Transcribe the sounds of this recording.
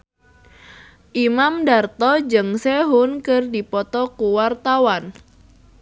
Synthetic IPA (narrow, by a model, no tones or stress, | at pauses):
ʔimamdart̪ɔd͡ʒɨŋseɦunkɨrdipɔt̪ɔkuwart̪awan